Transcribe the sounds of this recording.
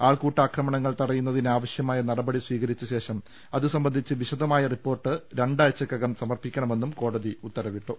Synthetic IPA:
aːɭkuːʈːaːkrɐmɐɳɐŋːɐɭt̪ɐɽɐjunːɐðinaːʋɐɕjɐmaːjɐnɐrɐbɐɽisʋiːɣɐɾit͡ɕːɐɕe̞ːʂɐm | ɐðɨsɐmbɐnd̪ʱit͡ɕːɨʋiɕɐðɐmaːjɐripːo̞ːrʈːɨɾe̞ɳɖaːlt͡ɕːɐkːɐɣɐmsɐmɐrpikʲːɐɳɐme̞nːumko̞ːɽɐðiut̪ːɐɾɐʋiʈːu

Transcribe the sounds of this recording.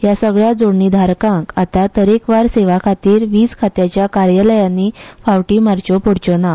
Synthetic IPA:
jasəɡɭjad͡zoɽnid̪ʱaɾkãŋkat̪at̪əɾekʋaɾseʋakʰat̪iːɾʋiːt͡skʰat̪jat͡ɕjakaɾjələjanːifawʈiːmaɾt͡ɕopoɽt͡ɕona

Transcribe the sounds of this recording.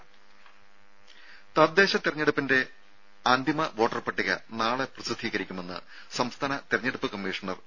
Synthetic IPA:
t̪ɐd̪ːe̞ːɕɐt̪irɐɲːeɽupːinde̞ | aːnd̪ʱimɐʋo̞ːʈːɐrpɐʈːiɣɐ̰naːɭeprɨsɨd̪ʱiːɣɐɾikʲːume̞nːɨ̰ | sɐmst̪ʰaːnɐt̪erɐɲːeɽupːɨkɐmːiːʂɐɳɐr

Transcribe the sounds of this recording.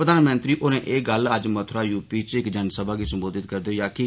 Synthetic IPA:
ɾəd̪aːnmənt̪ɾiːʔoːnẽːʔeːɡələd͡ʒmət̪ʰɾaːjuːpiːt͡ʃɪkd͡ʒənsəbaːɡiːsəmboːd̪ɪt̪kəɾd̪oːjaːkɪ

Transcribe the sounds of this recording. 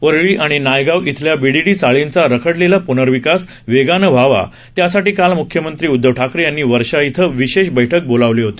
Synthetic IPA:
ʋəɾɭiːʔaɽ̃inajɡaʋit̪ʰljabiɽiʈiːt͡saɭint͡saɾəkʰəɽlelapunəɾʋikas | ʋeɡanəʋ̤ʱaʋa̰ | t̪jasaʈiːkalmukʰjəmənt̪ɾiːud̪ːəʋʈʰakɾijanːiːʋəɾʂait̪ʰəʋiɕeɕbəjʈʰək̚bolaʋleɦot̪e̥

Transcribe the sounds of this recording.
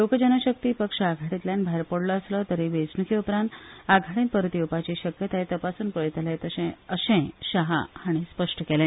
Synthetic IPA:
lokəd͡ʑənaɕək̚t̪iːpəkʂaɡʱaɽit̪ljãnbʱaɦeɾpəɽləəslət̪əɾeʋed͡znukʰiupɾãnt̪aɡʱaɽẽn̚pəɾt̪iupat͡ɕiɕəkjət̪aet̪əpasuːnpəɭit̪lẽt̪əɕẽəɕẽɕaɦa̰haɽ̃ispəʂʈʰəkelẽn

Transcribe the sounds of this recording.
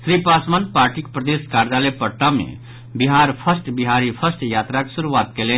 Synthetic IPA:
sɾipasmanpaːɾʈikpɾəd̪eskaːɾd͡ʒalepəʈːamḛ | biɦaːɾpʰəsʈbiɦaɾipʰəsʈjaːt̪ɾaksuɾuaːt̪kele

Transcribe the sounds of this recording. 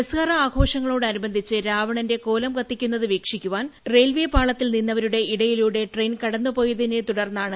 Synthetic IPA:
ɐskɐrɐaːɡʱo̞ːʂɐŋːɐɭo̞ːɽɨɐnubɐnd̪ʱit͡ɕːɨɾaːʋɐɳɐnde̞ko̞ːlɐmɡɐt̪ːikʲːunːɐðɨʋeːkʂikʲːuʋaːnre̞ːlʋeːpaːɭɐt̪ːilninːɐʋɐɾuɽe̞iɽɐjiluɽe̞ʈrejnkɐɽɐnːɨpo̞ːjɐðinet̪uɽɐrnːaːɳɨ

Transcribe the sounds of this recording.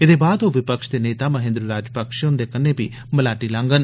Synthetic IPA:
ɪd̪eːbaːd̪oːʋɪpəkʃd̪eːneːt̪aːməɦẽːnd̪ɾəɾaːd͡ʒpəkʃjoʊnd̪eːkəneːpḭː | məlaːʈiːlãːŋɡən

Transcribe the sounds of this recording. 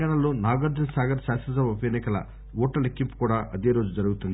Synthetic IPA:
aːɳɐlo̞ːnaːɡɐɾd͡ʒ̪ɐnsaːɡɐɾsaːsɐsɐʋupjɐnikɐlɐ̰ | uːʈːɐlekːimpu̥kuːɽaːʔʔɐd̪e̞ːɾo̞ːd͡ʒud͡ʒɐɾuɡut̪und̪i

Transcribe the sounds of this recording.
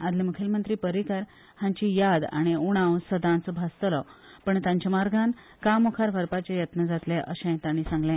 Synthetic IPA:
ad̪lemukʰelmənt̪ɾiːpəɾikaɾ | hãɲt͡ɕijad̪a̰ɽ̃iuɽ̃ãwsəd̪ãnt͡sɔbʱast̪lɔ | pəɳt̪ãɲt͡ɕamaɾɡʱan | kamukʰaɾʋʱəɾpat͡ɕejət̪nəd͡zat̪leʔəɕɛ̃t̪aɽ̃isãŋɡlẽ

